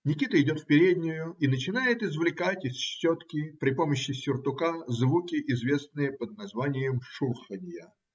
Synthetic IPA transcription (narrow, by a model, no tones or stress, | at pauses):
nʲɪkʲit̪əɪdʲo̞t̪fpʲɪɾʲedʲnʲɪjʊinət͡ɕɪnajɪt̪ɪzvlʲɪkatʲɪsɕːot̪kʲɪpɾʲɪpo̞məɕːɪsʲʊrt̪ʊkazvukʲɪʔɪzvʲe̞snɨjəpəd̪̚nɐzvanʲɪjəmʂurxənʲjə